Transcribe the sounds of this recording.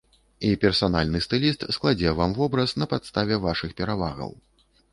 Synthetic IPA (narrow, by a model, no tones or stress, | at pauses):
ipʲɛrsanalʲnɨst̪ɨlʲist̪sklˠad͡zʲɛvamvɔbɾɐsnɐpat̪st̪avʲɛvaʂɨxpʲɛɾava̰ɣɐ̰w